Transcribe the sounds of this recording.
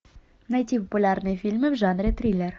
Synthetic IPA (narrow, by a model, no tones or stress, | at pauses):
najt̪ʲipopulʲɑrnɨfʲilʲmɘmʐɑnrʲet̪rʲilʲer